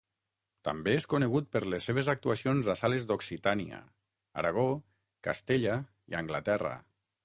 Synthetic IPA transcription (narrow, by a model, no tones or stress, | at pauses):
t̪ambeeskuneɣut̪̚pəɾlesːeβ̞ezak̚t̪uasionzasalezd̪oksit̪ania̰ | a̰ɾaɣ̞o | ka̰st̪eʎa | ḭaŋɡlat̪ɛrə̰